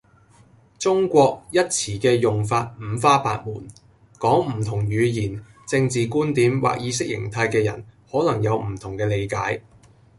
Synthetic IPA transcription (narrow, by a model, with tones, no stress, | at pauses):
t͡sʊ˥ŋkʷɔː˧k̚jɐ˥t̚t͡sʰiː˨˩kɛː˧jʊ˨ŋfaː˧t̚m̩˨˧faː˥paː˧t̚muː˨˩n | kɔː˨˥ŋm̩˨˩t̪ʰʊ˨˩ŋjyː˨˧jiː˨˩n | t͡sɪ˧ŋt͡siː˨kuː˥nt̪iː˨˥mwa̰ː˨k̚jiː˨˧˥sɪ˥k̚jɪ̰˨˩ŋt̪ʰa˧jkɛː˧jɐ̰˨˩nhɔː˨˥lɐ˨˩ŋjɐ˨˧wm̩˨˩t̪ʰʊ˨˩ŋkɛː˧le˨˧jkaː˨˥j